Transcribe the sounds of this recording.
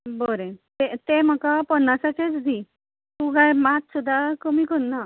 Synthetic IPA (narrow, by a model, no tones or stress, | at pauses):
boɾẽt̪et̪em̤əkapənːasat͡ɕet͡sd̪ʱi | t̪ukajmat̪sud̪ʱːakəmiːkɔnna